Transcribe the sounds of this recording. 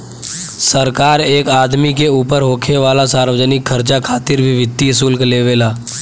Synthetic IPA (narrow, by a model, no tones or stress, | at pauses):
səɾkaːɾeːkaːd̪mikeuːpəɾɦoːkʰeʋaːlasaːɾʋəd͡ʒənɪkʰːəɾt͡ʃakʰaːt̪ɪɾbʱiʋɪt̪ːiɦsuːlkleːʋeːlaː